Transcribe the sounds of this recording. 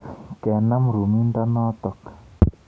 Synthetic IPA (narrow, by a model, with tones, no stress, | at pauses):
kɛ˨na˦mɾu˨mi˦nd̪a˦nɔ˦t̪ɔ˨k